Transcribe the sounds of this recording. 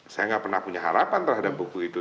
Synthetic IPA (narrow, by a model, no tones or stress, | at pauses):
sajaŋɡaʔpərnahpuɲaɦaɾapant̪əɾɦadap̚bukuit̪u